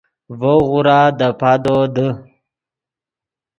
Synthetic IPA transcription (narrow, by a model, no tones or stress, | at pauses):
vəɣuɾad̪əpad̪od̪ə